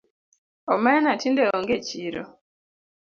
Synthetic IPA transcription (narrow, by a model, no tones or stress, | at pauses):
ɔmɛnatindɛɔŋɡeciɾɔ̰